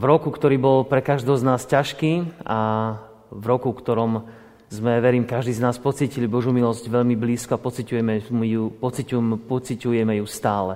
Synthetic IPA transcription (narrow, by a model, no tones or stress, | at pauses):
vɾɔkukt̪ɔɾiːbɔlpɾɛkaʒd̪ɔznaːscaʃkiːa | vɾɔkukt̪ɔɾɔm | zmɛʋɛɾiːmkaʒd̪iːznaːspɔt͡siːcilibɔʒjumilɔzɟʋɛʎmibliːskɔapɔt͡sicujɛmɛmupɔt͡sicumpɔt͡sicujɛmɛjust̪aːlɛ